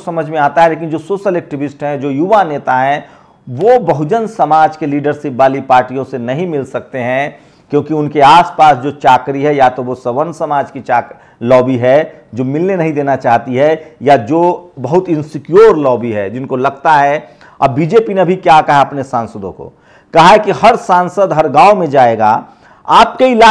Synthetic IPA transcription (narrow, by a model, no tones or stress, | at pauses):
sɐməd͡ʒʱmẽaːt̪aɦɛleːkɪnd͡ʒoːsoːʃəlɛːk̚ʈɪʋɪsʈɦɛ̃d͡ʒoːjuʋaneːt̪aɦɛ̃ | ʋobɐɦʊd͡ʒənsɐmaːd͡ʒkeliːɖəɾsɪpbaːlipaːɾʈijõsenɐɦĩmɪlsɐk̚t̪eɦɛ̃ | kjõːkiʊnkeaːspaːsd͡ʒoːt͡ʃaːkɾiɦɛjat̪oʋosɐʋənsɐmaːd͡ʒkit͡ʃaːk | lɔːbiɦɛ | d͡ʒoːmɪlnenɐɦĩd̪eːnat͡ʃaːɦt̪iɦɛjad͡ʒoːbɐɦʊt̪ɪ̃nsɪkjoːɾlɔːbiɦɛd͡ʒɪnkolɐɡt̪aɦɛ | ɐ̰bbiːd͡ʒeːpinebʱikjakɐɦaɐpnesãːnsəd̪õ̰ko̰ | kɐɦaɦɛkihɐɾsãːnsəd̪ɦɐɾɡaːomẽd͡ʒaːeɡa̰ | aːp̚keila